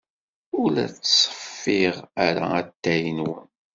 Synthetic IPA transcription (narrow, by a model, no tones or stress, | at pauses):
ʊlæt͡sːsˤə̥fːiʁæɾa̰æt̪ːæjənwən